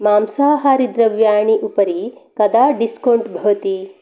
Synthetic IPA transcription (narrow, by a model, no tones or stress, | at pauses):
maːmsaːɦaːɾid̪ɾɐʋjaːɳiʔupɐɾikɐd̪aːɖiskɐɳʈbʱɐʋɐt̪i